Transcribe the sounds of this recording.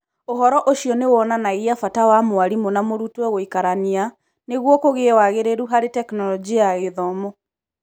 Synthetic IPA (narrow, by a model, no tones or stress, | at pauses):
oɦɔɾɔʔoɕiɔnewɔnanaɣiafatawamoaɾimonamoɾutwɛɣoikaɾania | neɣwɔkoɣewaɣeɾeɾuɦaɾetɛknɔlɔd͡ʒiaɣeðɔmo